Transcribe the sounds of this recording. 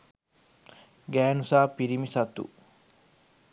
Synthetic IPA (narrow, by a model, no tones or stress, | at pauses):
ɡæːnusaːpiɾimisɐt̪ṵ